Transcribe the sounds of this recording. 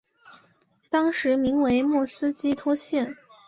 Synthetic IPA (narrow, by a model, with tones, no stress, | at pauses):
t̪ɑ˥ŋʂɻ̩˧˥mi˧˥ŋwe˧˥ɪmwɔ˥˩sɹ̩˥t͡ɕi˥t̪ʰwɔ˥ɕjɛ˥˩n